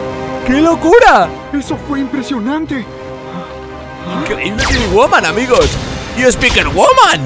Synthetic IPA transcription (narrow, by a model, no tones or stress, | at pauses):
kelokuɾa | esofweimpɾesjonãnt̪e | a | keiimiwʊmãnamiɣosjuspikənwʊmãn